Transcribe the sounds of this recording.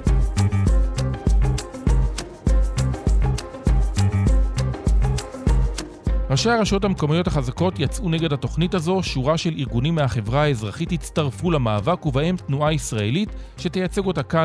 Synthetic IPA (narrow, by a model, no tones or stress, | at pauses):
ʁaʃaaʁaʃo̞thameko̞mijo̞thaχazako̞tjat͡sʔuneɡe̞dhato̞χnitazo̞ʃuʁaʃe̞liʁɡunimːeaχe̞vʁaaezʁaχithit͡staʁfulamaːvakuvahe̞mtnuaisʁae̞lit | ʃe̞tejat͡se̞ɡotaka